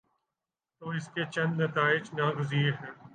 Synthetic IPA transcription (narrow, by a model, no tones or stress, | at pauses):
t̪oːɪsket͡ʃɐ̃nd̪nɐt̪aːɪd͡ʒnaɡʊziːeɾɦɛː